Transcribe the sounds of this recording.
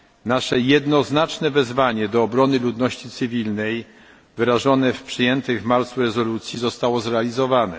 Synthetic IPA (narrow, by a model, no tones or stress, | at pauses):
naʂɛjɛd̪nɔznat͡ʂnɛvɛzvaɲɛd̪ɔːbɾɔnɘlud̪nɔɕt͡ɕit̪sɘvʲilnɛj | vɘɾaʐɔnɛfpʂɘjɛnt̪ɘvmaɾt̪suɾɛzɔlut̪sʲjizɔst̪awɔzɾɛalʲizɔvanɛ̰